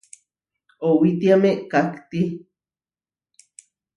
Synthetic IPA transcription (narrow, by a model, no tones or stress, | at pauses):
owit̪iameʔkakt̪i